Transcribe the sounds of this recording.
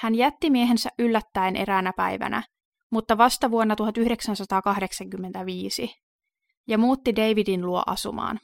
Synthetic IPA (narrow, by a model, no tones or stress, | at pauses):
hænjæt̪ːimieɦe̞nsæʔʔylːæt̪ːæenʔe̞̰ɾæːnæpæ̰jʋæ̰næ̰ | mut̪ːɑʋɑst̪ɑʋuonːɑt̪uɦɑt̪yhde̞ksænsɑt̪ɑːkɑɦde̞ksɑŋkymːent̪æʋiːsi | jɑmuːt̪ːidejʋidinluo̞̰ʔɑ̰sṵmɑ̰ːn